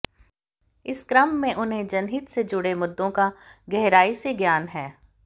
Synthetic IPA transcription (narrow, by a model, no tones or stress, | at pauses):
ɪskɾəmːẽʔʊnɦẽd͡ʒɐnɦit̪sed͡ʒʊɽemʊd̪ːõkaɡɛɦɾaːiseɡjaːnɦɛː